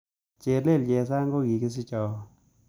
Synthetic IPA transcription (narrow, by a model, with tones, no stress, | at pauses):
t͡ʃe˨le˦˨ld͡ʒɛ˨s̬a˦ŋɡo˦ɡi˨kɪ˦s̬ɪ˦t͡ʃɔ˨